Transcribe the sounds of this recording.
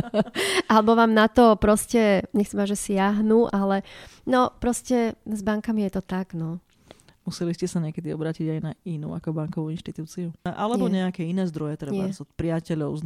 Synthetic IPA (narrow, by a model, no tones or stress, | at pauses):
ʔalɛbɔʋaːmnat̪ɔpɾɔscɛɲɛxt͡sɛmaʒɛsɪaɦnuːʔalɛnɔpɾɔscɛzbaŋkamijɛt̪ɔt̪aɡ̥nɔ | musɛliscɛsaɲɪɛkɛd̪iɔ̰bɾaːciɟajnainṵːakɔbaŋkɔʋuinʃt̪it̪uːt͡siuʔalɛbɔɲɛakɛːinɛːzd̪ɾɔjɛt̪ɾɛɲɪbaɛzɔt̪pɾɪacɛʎɔʊz